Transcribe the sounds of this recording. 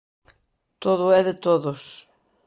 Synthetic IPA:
t̪oðʊɛðɪt̪oðʊs

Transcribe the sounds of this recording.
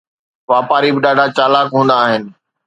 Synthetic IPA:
ʋaːpaːɾibɪɗaːɖʱat͡ɕaːlaːkɦũːn̆d̪aːɦɪnɪ̆

